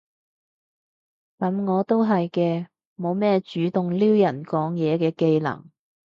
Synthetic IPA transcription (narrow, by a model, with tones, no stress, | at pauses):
kɐ˨˥mŋɔː˨˧t̪o˥wɦɐ˨jkɛː˧ | mo˨˧wmɛː˥˩t͡ʃyː˨˥t̪ʊ˨ŋliː˥wjɐ˨˩nkɔː˨˥ŋjɛː˨˧kɛː˧ke˧jlɐ̰˨˩ŋ